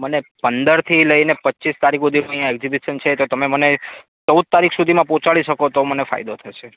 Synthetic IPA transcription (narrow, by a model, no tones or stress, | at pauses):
mənepənd̪əɾt̪ʰiləinepətːt͡ʃist̪aɾikod̪ʱioəijãɛɡzibiʃənt͡ʃʰet̪ot̪əmeməne | t͡ʃəwd̪̚t̪aɾikʰsud̪ʱimãpɔ̃t͡ʃaɭiʃəkot̪omənefa̰jd̪ot̪ʰəʃe